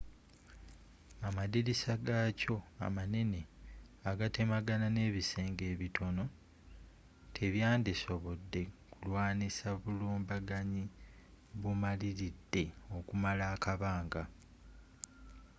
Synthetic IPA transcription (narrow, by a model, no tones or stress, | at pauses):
amadiɾisaɡaco̞a̰mane̞ne̞ | aɡate̞maɡanane̞ːβise̞ːŋɡe̞ːβitʰo̞no̞ | tʰe̞βjaːndiso̞βo̞dːe̞kulwaːnisaβuluːmbaɡaɲi | βumaliɾidːe̞o̞kumalaːkaβaːŋɡa